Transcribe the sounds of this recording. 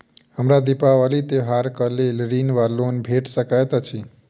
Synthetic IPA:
ɦəmɾad̪ipaʋalit̪eɦaɾkəlelɾinʋalonbʱeʈsəkajt̪at͡ʃʰi

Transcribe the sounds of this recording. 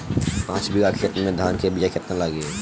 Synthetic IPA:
pãːt͡ʃbiɡakʰet̪nmẽd̪ʱaːnkebid͡ʒakʰet̪əlaɡe

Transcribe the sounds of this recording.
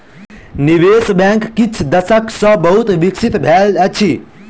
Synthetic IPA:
niʋesbãŋkːit͡ʃʰd̪əsəksə̃bəɦut̪ʋiksit̪bʱelət͡ʃʰi

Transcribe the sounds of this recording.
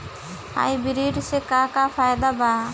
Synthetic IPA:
a̰jbiɾiɖsɛkakapʰajd̪aba

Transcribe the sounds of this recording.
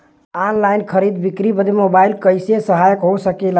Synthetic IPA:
anlajnkʰəɾid̪bikɾibəd̪emobailkəjsesəɦajəkɦosəkel

